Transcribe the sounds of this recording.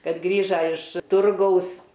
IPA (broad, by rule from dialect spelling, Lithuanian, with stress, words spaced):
ˈkɐt ˈɡrʲiːʒɐ ɪʃ ˈtʊrɡɐʊs